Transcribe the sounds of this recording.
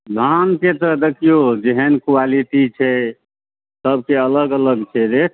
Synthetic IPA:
ɡ̪ʱanket̪ɔd̪ekʰijod͡ʒeɦənkwaliʈit͡ʃʰɛ | səb̚ʱkeələɡələɡt͡ʃʰɛɾekʰ

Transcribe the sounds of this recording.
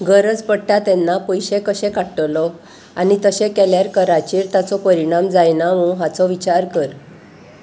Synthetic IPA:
ɡəɾəd͡zpəɽʈat̪ɛnːapɔjɕẽkəɕɛ̃kaʈəlɔ | anit̪əɕekɛljaɾkəɾat͡ɕiːɾt̪at͡sɔpəɾiɽ̃amd͡zajnaʋũɦat͡sɔʋit͡ɕaɾkəɾ

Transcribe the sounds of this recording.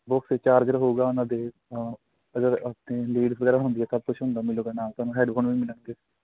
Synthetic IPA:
bʊkset͡ʃaːɾɡəɾɦouːɡaːʊnãːd̪eː | əɡəɾəpneːliːɖsʋəɡɛːɾaːɦʊ̃ːnd̪iːɛːt̪ab̚kʊt͡ʃʰɦʊ̃nd̪aːmɪloːɡaːnaːsaːnũːɦɛːɖbʰoːnʋiːmɪlənɡeː

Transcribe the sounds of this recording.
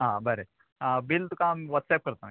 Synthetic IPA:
ɦãbəɾe | bilt̪ukãmʋət̪sɛːp̚kəɾt̪an

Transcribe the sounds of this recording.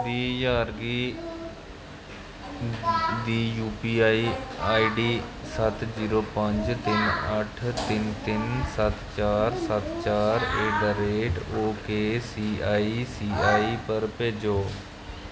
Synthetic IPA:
d̪iːjaːɾɡiː | d̪iːjuːpiːaːiːaːiɖiːsət̪ziːɾoːpəɲd͡ʒt̪ɪnəʈʰt̪ɪnt̪ɪnsət̪t͡ʃaːɾsət̪t͡ʃaːɾeːɖəɾeːʈoːkeːsiːaːiːsiːaːiːpəɾpeːd͡ʒoː

